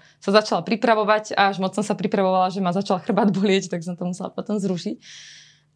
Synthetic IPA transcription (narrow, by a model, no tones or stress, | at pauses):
sazat͡ʃalapɾipɾaʋɔʋaɟaaʒmɔt͡ssɔmsapɾipɾaʋɔʋalaʒɛmazat͡ʃalxr̩bad̪bɔlɪɛct̪aɡs̬ɔmt̪ɔmusɛla̰pɔt̪ɔmzɾuʃic